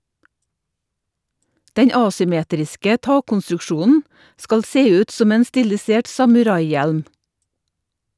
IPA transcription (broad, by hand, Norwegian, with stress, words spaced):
ˈdɛɲ ˈɑːsʏˌmeːtɾɪskə ˈtɑːkɔnstɾʉkˌʃuːnn̩ ˈskɑl ˈseː ˈʉːt ˈsɔm ˈeːn ˈstɪlɪˌseːʈ sɑmʉˈɾɑɪˌjɛlm